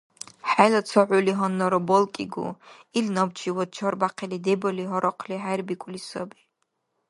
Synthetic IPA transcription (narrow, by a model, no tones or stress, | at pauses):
ħajlat͡sʰɔʕuliɦɔnːɔɾɔbɔlˠkʼiɡṵilnɔbt͡ʃʰiwɔd̪̚t͡ʃʰɔɾbaqʰɛlid̪ɛbɔliɦɔɾɔqʰliħajɾbikʷʼlisɔbi